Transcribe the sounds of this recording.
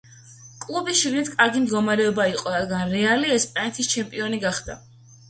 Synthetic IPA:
kʼlˠubisʃiɡnit̪ʰkʼaɾɡimd̪ɡɔmaɾɛɔbaiqʼɔɾad̪ɡanɾɛaliɛspʼanɛt̪ʰist͡ʃʰɛmpʼiɔniɡaχd̪a̰

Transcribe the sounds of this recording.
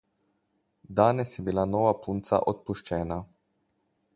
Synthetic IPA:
d̪aːnɛsjɛbilanɔːʋapʰunt̪sa̰ʔot̪puʃt͡ʃɛːna

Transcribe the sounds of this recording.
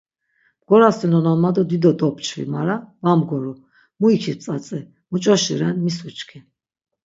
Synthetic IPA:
mɡ̥ɔɾasɛnɔnɔnmad̪ɔd̪id̪ɔd̪ɔpt͡ʃʰvḭmaɾavamɡɔɾɔ | muikʰit͡sʼat͡sʼɛ | mut͡ʃʼɔʃiɾɛnmisut͡ʃkʰɛ

